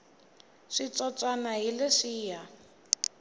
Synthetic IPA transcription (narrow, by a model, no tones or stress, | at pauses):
ʂit͡sɔt͡sʼwanaɦilɪʂiːja